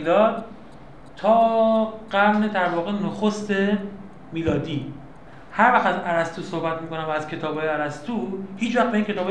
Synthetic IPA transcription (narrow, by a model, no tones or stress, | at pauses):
d̪ɒːd̪ | t̪ʰɒːɢ̥æɾne̞d̪æɾvɒːɣenoxost̪e̞ | miːlɒːd̪iː | hæɾvæxt̪æzæɾæst̪uːsohbæt̪̚miːkʰo̞næmvæːz̥kʰe̞t̪ʰɒːbɒːjeæɾæst̪ʰuhiːt͡ʃvæxbeincʰe̞t̪ɒːb